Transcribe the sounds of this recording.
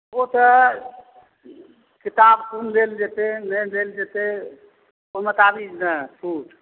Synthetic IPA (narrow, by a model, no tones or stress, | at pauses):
ot̪ə | kit̪abkunleld͡ʒet̪enəd̪eld͡ʒet̪e | omət̪abid͡ʒnəsʰuʈʰ